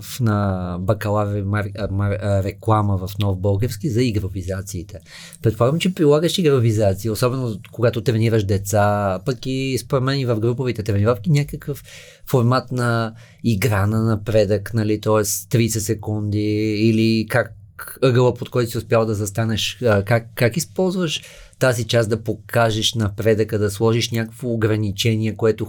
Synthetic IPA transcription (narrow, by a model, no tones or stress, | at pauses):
fnɐbɐkɐlˠammɾɛklˠaməvɐfnɔvbɤlˠɡʲɛɾskizɐiɡɾovizat̪siːt̪ɛ | pɾɛt̪poaɡəmt͡ʃɛpɾilˠaɡəʃiɡɾovizat̪siiosɔbɛnokoɡat̪ot̪ɾɛniɾəʃd̪ɛt̪sapɐkispoɾɛd̪mɛnivɐvɡɾupovɛt̪ɛt̪ɾɛnivafk̪inʲakəkəfː | oɾmat̪nɐ | iɡɾanɐnɐpɾɛd̪əknɐlit̪ɔɛst̪ɾisɛsɛkund̪iːlikak | ɤɡəlˠəpot̪̚kɔjt̪ʊsiʊspʲjalˠd̪ɐzɐst̪anɛʃəkakːakispɔlˠzvəʃ | t̪azit͡ʃazd̪ɐpokʰaʒɛʃnɐpɾɛd̪əkəd̪ɐslˠɔʒiʃnʲakə̥kvoːɡɾɐnit͡ʃɛniɛkoɛt̪ʊ